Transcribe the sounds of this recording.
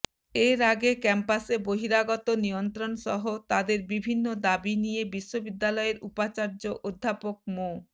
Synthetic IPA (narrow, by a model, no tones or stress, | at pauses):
eɾaɡekɛmpaseboɦiɾaɡɔt̪onijont̪ɾonʃɔɦot̪ad̪eɾbibʱinːod̪abinijebiʃːobid̪ːalɔeɾupat͡ɕaɾd͡ʑoʔod̪ʱːapok̚mo